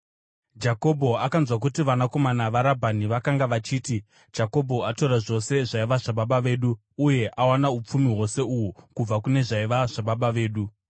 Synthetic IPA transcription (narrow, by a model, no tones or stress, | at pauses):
d͡ʒako̞bʱo̞akanzwak̬utiʋanako̞manaʋaɾabʱaniʋakaŋɡaʋat͡ʃiːti | d͡ʒako̞bʱo̞atoɾaʐo̞se̞ʐaiʋaʐaɓaɓaʋe̞ːɗuː | je̞ʔawanaup͡fumiɦwo̞se̞uɦukub͡vakune̞ʐaiʋaʐaɓaɓaʋe̞ːɗu